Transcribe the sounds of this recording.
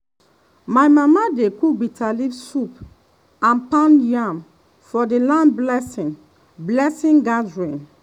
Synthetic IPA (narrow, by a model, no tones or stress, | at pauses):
majmamadekuɡ͡bitalifsup | ãnpãnjãm | fɔdelãnblɛsĩn | blɛsĩŋɡadɹĩn